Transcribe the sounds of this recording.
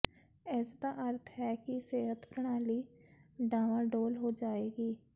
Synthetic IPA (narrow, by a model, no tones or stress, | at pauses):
ɛːsd̪aʔɐɾt̪ʰɦɛkiseːɦət̪pɾəɽ̃aːliɖaːʋãɖoːlɦod͡ʒaːeːɡiː